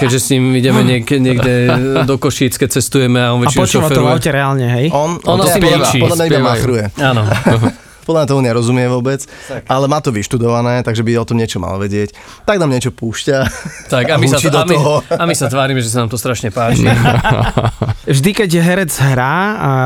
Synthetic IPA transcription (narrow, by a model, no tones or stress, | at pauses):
kɛd͡ʒʒɛsɲiːmiɟɛmɛɲɪɛkɲɪɛɡɛd̪ɔkɔʃiːt͡skɛc̚t͡sɛst̪ujɛmɛaɔnʋɛat͡ʃiɔt͡ʃuɔafɛɔɾuɛawcɛɾɛaːlɲɛɦɛjɔnɔnpiɔdlamɲaibamaxɾujɛaːnɔ | pɔd̪lamɲat̪ɔmuɲɛɾɔzumɪɛʋʊɔbɛt͡sʔalɛmaːt̪ɔʋiʃt̪ud̪ɔʋanɛːt̪aɡʒɛbiɔt̪ɔmɲɪɛt͡ʃɔma̰lʋɛɟɪɛc | t̪aɡnaːmɲɪɛt͡ʃɔpuːʃcat̪akamiust͡ʃid̪ɔmɔɦɔamisat̪ʋaːɾimɛʒɛs̬anaːmt̪ɔst̪ɾaʃɲɛpaːt͡ʃi | ʒd̪ikɛɟjɛɦɛɾɛd͡zɦɾaːa